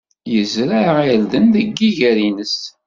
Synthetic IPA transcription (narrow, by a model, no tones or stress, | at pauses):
jəzɾæild̪ənðəɡːiʝæɾinəs